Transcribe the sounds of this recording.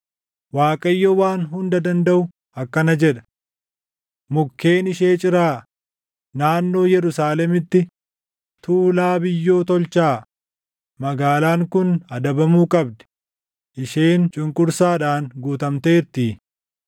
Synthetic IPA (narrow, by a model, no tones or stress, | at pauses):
waːkʼɐjːɔwaːnɦʊnd̪ɐd̪ɐnd̪ɐʔʊ | ɐkːɐnɐd͡ʒɛᶑɐ̥ | mʊkːe̞ːnɪʃeːt͡ʃʼɪɾaː | naːnːo̞ːjɛɾʊsaːlɛmɪt̪ːɪ | t̪uːlaːbɪjːo̞ːt̪ɔlt͡ʃaː | mɐɡaːlaːŋkʊnɐd̪ɐbɐmuːkʼɐbd̪ɛ̥ | ʔɪʃeːnt͡ʃʼʊŋkʼʊɾsaːᶑaːnɡuːt̪ɐmt̪e̞ːɾt̪iː